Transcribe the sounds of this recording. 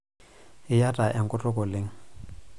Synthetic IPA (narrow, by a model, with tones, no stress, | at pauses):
ɪ˦ja˦tʼa˨ʔɛ˨ŋ̩˨kʼʊ˦tʼɔ˦kʼɔ˨lɪ˦ŋ̩˦